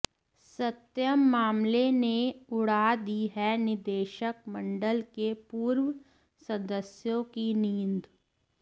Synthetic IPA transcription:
sɐt̪jəmːaːmleneʊɽ̤aːd̪iɦɛnɪd̪eːʃək̚mɐ̃ɳɖəlkepuːɾwə | sɐd̪əsjõkiniːnd̪

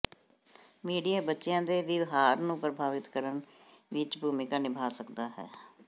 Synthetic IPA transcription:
miːɖijaːbətːʃɪjãːd̪eːʋɪʋɦaːɾnũːpɾəbʱaːʋɪt̪kəɾənʋɪt͡ʃbʱuːmɪkaːnɪbʱaːsəkd̪aːɦɛ̰ː

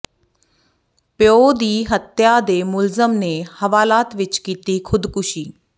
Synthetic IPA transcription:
pjoːd̪iːɦət̪jaːd̪eːmʊlzəmneːhəʋaːlaːt̪ʋɪt͡ʃkiːt̪iːkʰʊd̪kʊʃiː

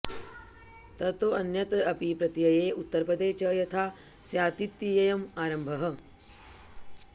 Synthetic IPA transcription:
t̪ɐt̪oʔɐnjɐt̪ɐpipɾɐt̪jɐjeːut̪ːɐɾpɾɐd̪eːt͡ʃɐjɐt̪ʰaːsjaːt̪it̪ːijɐjɐmaːɾɐmbʱɐɦɐ̆

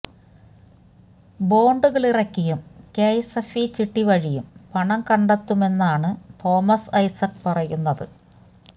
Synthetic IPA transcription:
bo̞ːɳɖuɣɐɭirɐkʲːijumkejsɐfit͡ɕiʈːiʋɐɻijumpɐɳɐmkɐɳɖɐt̪ːume̞nːaːɳɨt̪o̞ːmɐsɐjsɐkpɐrɐjunːɐðɨ

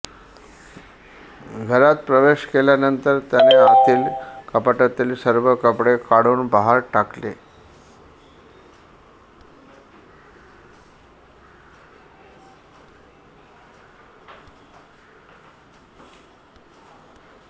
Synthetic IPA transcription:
ɡʱəɾat̪pɾəʋeɕkeljanənt̪əɾt̪janeat̪iːlkəpaʈat̪iːlsəɾʋəkəpɽekaɽuːnbaɦaɾʈaklḛ

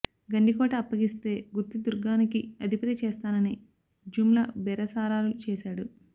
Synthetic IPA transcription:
ɡɐɳɖikɔːʈɐːpːɐɡist̪e̞ːɡut̪ːid̪uɾɡaːnikiɐd̪ʱipɾet͡ʃɛːst̪aːnɐni | d͡ʒumlɐbɛɾɐsaːɾaːlut͡ʃɛːʃaːɽu

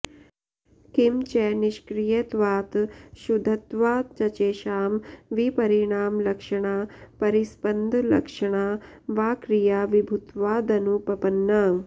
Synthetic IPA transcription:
kimt͡ʃɛːniʃkɾijɐt̪ʋaːt̪ʃud̪ʱɐt̪ʋaːt͡ʃɐt͡ʃeːʃaːmʋipɐɾiɳaːmlɐkʂɐɳaːpɐɾispɐnd̪ʱlɐ̰kʂɐɳ̃aː | ʋaːkɾijaːʋibʱut̪ʋaːd̪ɐnuːpɐpɐnːaː

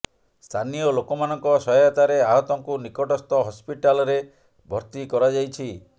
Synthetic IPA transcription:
st̪ʰanijɔlokɔmanɔŋkɔsɔjjat̪aɾeaɦɔt̪ɔŋkunikɔʈɔst̪ɔɦɔspiʈalɔɾe | bʱɔɾt̪ikɔɾad͡ʒajt͡ʃʰi

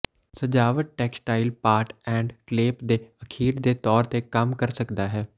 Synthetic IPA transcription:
səd͡ʒaːʋəʈ̚ʈɛːksʈaːɪlpaːɾʈɛ̃ːɳɖkleːpd̪eəkʰiːld̪et̪ɔːɾt̪ekəmkəɾsəkd̪aɦɛː

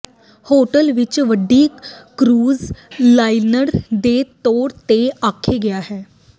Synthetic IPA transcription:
hoʈəlʋit͡ɕʋəɖiːkkɾuːd͡zlajnəɾd̪et̪oɾt̪eakʰeɡeaɦe

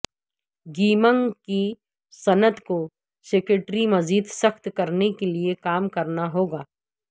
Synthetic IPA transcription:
ɡiːmə̃ŋki | sɐnət̪ko | seːkɾeʈɾimɐziːd̪sɐxt̪kɐɾnekeliekaːmkɐɾnaɦoːɡaː

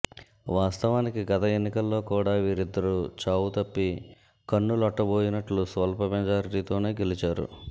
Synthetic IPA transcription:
ʋaːst̪ɐʋaːnikiɡɐt̪ɐe̞nːikɐlːo̞ːkuːɽaːʋiːɾid̪ːɐɾut͡ʃaːwut̪ɐpːi | kɐɳːulɐʈːɐbo̞ːjinɐʈlusʋɐlpɐmɛd͡ʒaːɾiʈit̪o̞ːne̞ːɡe̞lit͡ʃaːɾṵ

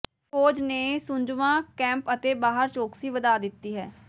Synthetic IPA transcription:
poːd͡ʒneːsʊ̃ɲd͡ʒʋãːkɛ̃ːmpət̪eːbaːɦəɾt͡ʃoːksiːʋəd̪aːd̪ɪt̪ːiːɦɛː

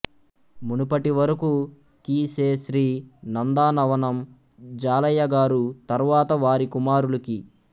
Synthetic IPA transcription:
munupɐʈiʋɐɾɐku | kiːseːʃɾiːnɐnd̪aːnɐʋɐnɐm | d͡ʒaːlɐjːɐɡaːɾut̪ɐɾʋaːt̪ɐʋaːɾikumaːɾulɐki

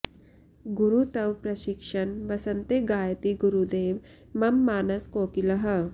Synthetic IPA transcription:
ɡuɾut̪ɐwpɾɐɕikʂənʋɐsənt̪eɡaːjt̪iɡuɾud̪eːʋ | mɐmːaːnɐskoːkilɐɦə

